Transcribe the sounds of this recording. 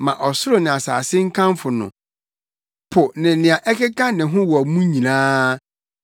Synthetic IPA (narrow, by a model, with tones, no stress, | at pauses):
mã˨ʔɔ˨sʊ˦ɾo˦˨nɪ̃˨a˨sa̰ː˨sɪ˦ŋ̩˦kʰã˦mfʊ˨nʊ̰̃˨ | pʰʊ˨nɪ̃˨˦nɪ̃˨a˨ʔɛ˦kɪ˦kʰã˦nɪ̃˨ɦʊ̃˦wɔ˨a˨mũ˦ɲĩ˨nãː˦